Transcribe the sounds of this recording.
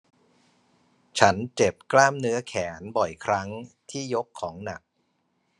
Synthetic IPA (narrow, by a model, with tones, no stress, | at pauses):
t͡ɕʰa˦˥nt͡ɕe˨˩p̚klaː˥˩mnɯ˦˥ɐkʰɛː˩˦nbɔ˨˩jkʰɾa˦˥ŋt̪ʰiː˥˩jo˦˥kʰːɔː˩˦ŋna˨˩k̚